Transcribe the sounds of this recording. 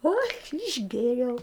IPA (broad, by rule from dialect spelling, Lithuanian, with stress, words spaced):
oː ɐʃ ɪʒʲˈɡʲeːrʲɛʊ